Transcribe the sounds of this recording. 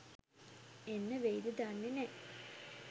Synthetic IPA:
enːəʋejd̪əd̪anːenɛ

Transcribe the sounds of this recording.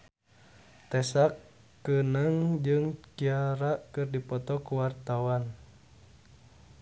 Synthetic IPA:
t̪ɛsakː | ənaŋd͡ʒɨŋkiaɾakɨrdipɔt̪ɔkuwart̪awan

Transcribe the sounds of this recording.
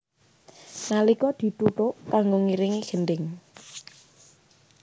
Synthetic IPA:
nalikɔd̪̥i̤t̪ut̪ʊʔkaŋɡoŋiɾiŋiɡ̥ənɖɪŋ

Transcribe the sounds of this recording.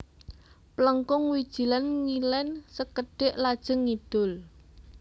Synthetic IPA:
pləŋkʊŋwid̥ʒ̥i̤lanŋilɛnsəkəɖ̥ɪʔlad̥ʒ̥ə̤ŋːid̪̥ʊl

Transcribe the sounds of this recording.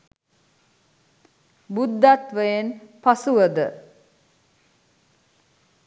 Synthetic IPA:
bud̪ːat̪ʋəjenpasuʋəd̪ə

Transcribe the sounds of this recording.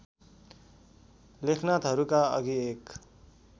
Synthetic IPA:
lekʰnat̪ɦʌɾukaʌ̰ɡiek

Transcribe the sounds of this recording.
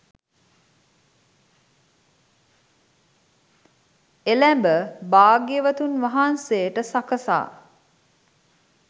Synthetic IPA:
elæmbəbaːɡeʋət̪unʋaɦansejəʈəsakəsa̰ː

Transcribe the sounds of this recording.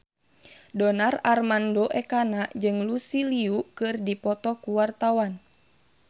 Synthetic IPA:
dɔnararmandoʔɛkanaʔd͡ʒɨŋlusiliukɨrdipɔt̪ɔkuwart̪awan

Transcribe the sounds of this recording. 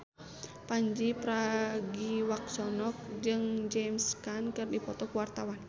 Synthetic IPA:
paɲd͡ʒipɾaɡiwak̚sɔnɔk̚d͡ʒɨŋd͡ʒɛmskankɨrdipɔt̪ɔkuwart̪awan

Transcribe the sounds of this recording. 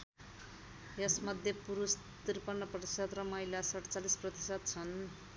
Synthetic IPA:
jesmʌd̪ʱjepuɾus | t̪irpʌnːʌprʌɾisʌt̪rʌmʌilasʌʈʌt͡salisprʌt̪i̥sʌt̪̚t͡sʰʌn

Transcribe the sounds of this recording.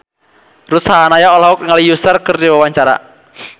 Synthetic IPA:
rusaɦanajaolaɦɔkŋalijusərkərdiwawaɲt͡ʃaɾa̰

